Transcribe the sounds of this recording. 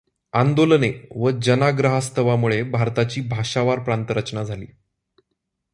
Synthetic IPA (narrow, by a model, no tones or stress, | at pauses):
and̪olneʋəd͡ʑənaɡɾəɦast̪ʰəʋamuɭebʱaɾt̪at͡ɕiːbʱaʂaʋaɾpɾant̪əɾət͡ɕnad͡zʱalḭː